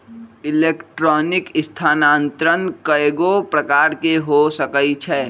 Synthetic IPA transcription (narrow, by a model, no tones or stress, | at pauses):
ɪleːkʈɾɔːnɪkɪst̪ʰaːnaːnt̪ɾənkəeːɡopɾəkaːɾkeɦosəkəit͡ʃʰɛː